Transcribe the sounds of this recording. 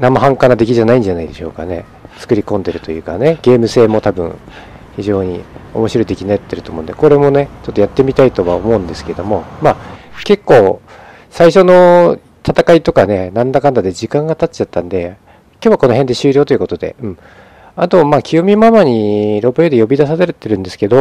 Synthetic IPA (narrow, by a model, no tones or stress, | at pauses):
namaɦãŋkanad̪e̞kʲiʑanaĩɲ̟d͡ʑanaid̪e̞ɕo̞̰kane̞̰ | t͡sɨ̥kɯ̟ɾʲikõ̞nd̪e̞ɾɯ̟t̪o̞jɯ̟ːkane̞ɡe̞ːmɯ̟se̞ːmo̞t̪abɯ̟̰̃ɰ | çiʑo̞ːɲ̟io̞mo̞ɕiɾo̞id̪e̞kʲinajat̪ːeɾɯ̟t̪o̞ːmõ̞ːnd̪eko̞ɾe̞mo̞ne̞t͡ɕo̞t̪ːojat̪ːe̞mʲit̪ait̪o̞βaomo̞ɯ̟̃nd̪e̞sɨ̥ke̞ed̪o̞mo̞maːke̞kːo̞ː | saiɕo̞no̞ | t̪ʰat̪akait̪o̞kane̞nãnd̪akãnd̪ad̪e̞d͡ʑikãŋɡat̪ḁt͡ɕat̪ːãnd̪e̞ | kʲjoːβako̞no̞ɦe̞nd̪e̞ɕɨːɾʲo̞ːt̪o̞iɯ̟ko̞t̪od̪e̞̰ɯ̟̃ɴ | at̪o̞makʲʰiomʲimamaɲ̟iɾo̞bɯjod̪e̞jo̞bʲid̪asad̪eɾet̪ːeɾɯ̟̃nd̪e̞sɨ̥ke̞d̪o̞